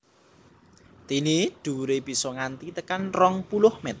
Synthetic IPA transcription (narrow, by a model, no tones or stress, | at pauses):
t̪iniɖ̪̥ṳɾeb̥i̤sɔŋant̪it̪əkanrɔŋpulʊhmɛt̪